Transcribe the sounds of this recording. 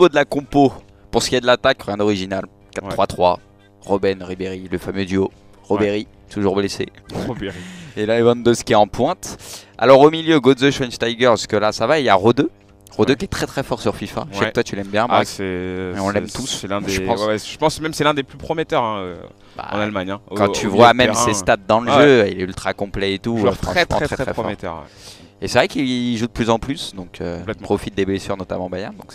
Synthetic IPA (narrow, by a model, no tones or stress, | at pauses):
vod̪əlakɔ̃po | puʁsə̥kʲiɛd̪əlat̪akʁjɛ̃d̪ɔʁiʒinal | kat̪t̪ːχwat̪χwa̰ | ʁɔbɛnʁibeʁiləfamød̪yo | ʁobeʁi | t̪uʒuʁblesḛobeielaevɑ̃nd̪øz̥kʲiɛɑ̃pwɛ̃t̪a̰lɔʁomiljøɡod̪zøʃɔnst̪ajɡœʁsə̥kəlasavaeljaʁod̪ø | ʁod̪økʲiɛt̪χɛt̪χɛfɔʁsyʁfifa̰ʃakt̪wat̪ylɛmbjɛ̃basɛmeɔ̃lːɛmt̪ʰussɛlɛ̃eʒɑ̃swɛwɛʒ̥ə̥pɑ̃smɛmsɛlɛ̃d̪eplypχɔmet̪œʁɛ̃ø̰ | ba̰ɑ̰̃nalmaɲɛ̃kɑ̃t̪ʰyvwamɛsest̪ad̪̚ːɑ̃ləʒøilɛylt̪χakɔ̃plɛet̪ufχɑ̃mɑ̃t̪χɛχɛfɔɔmet̪œ̰ʁwɛ̰ | esɛvʁɛkiʒud̪əplyzɑ̃plysd̪ɔ̃kʰø̰lɛtpχɔfit̪̚d̪eblesyʁnɔt̪amɑ̃bajand̪ɔ̃ks